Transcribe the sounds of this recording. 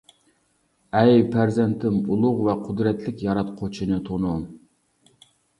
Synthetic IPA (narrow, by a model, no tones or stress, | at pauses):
ɛjpʰæɾzɛnt̪ʰɪmulˠʊʁvɛqʰʊd̪ɾɛt̪ʰlɪkʲjɑɾɑt̪qʰot͡ʃʰinɨt̪ʰonum